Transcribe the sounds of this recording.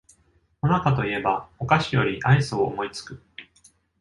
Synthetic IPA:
onakat̪o̞ie̞bao̞kaɕijo̞ɾʲiʔaisoːmo̞it͡sɨ̥kɯ̟

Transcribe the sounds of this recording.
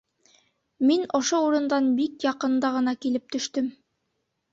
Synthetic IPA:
minŏʃouɾɤ̆nd̪ɑnbikjɑqɤ̆nd̪ɑʁɤ̆nɑkilɘp̚t̪ɵ̆ʃt̪ɵm

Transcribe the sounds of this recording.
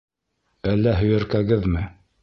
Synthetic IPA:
ælːæɦɵ̆jæ̆ɾkæɡɘðmɘ

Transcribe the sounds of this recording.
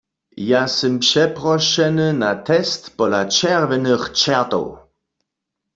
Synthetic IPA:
jasɛmpʂɛpʁɔʃɛnənatʰɛstpɔlat͡ʃɛʁvɛnəχt͡ʃɛʁt̪ɔ̰w

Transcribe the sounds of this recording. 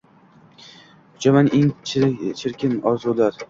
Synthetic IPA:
ʊd͡ʒamaneŋt͡ʃʰɪɾkʲɪmɒzulaɾ

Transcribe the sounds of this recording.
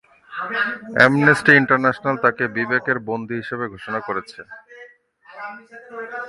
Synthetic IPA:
ɛ̰mnesʈiiɳʈaɾnɛʃonalt̪akebibekeɾbond̪ʱiɦiʃebeɡʱoʃonakoɾet͡ɕʰen

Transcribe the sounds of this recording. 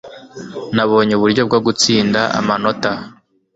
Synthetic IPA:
naβo̞ːɲeuβuɾɟo̞b̚ɡoɡut͡siːndaʔa̰mano̞ta

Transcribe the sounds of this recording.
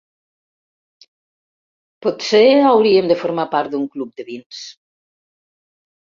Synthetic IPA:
pɔt̪seawɾiemd̪efoɾmapaɾt̪̚d̪uŋklup̚d̪əβins

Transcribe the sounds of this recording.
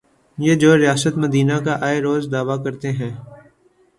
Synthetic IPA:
jeːd͡ʒoːɾɪjaːsət̪məd̪iːnakaʔaːeɾoːzd̪aːʋakɐɾt̪eɦɛ̃ː

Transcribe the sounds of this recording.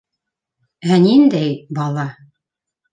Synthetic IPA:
ænind̪æjbɑlˠɑ

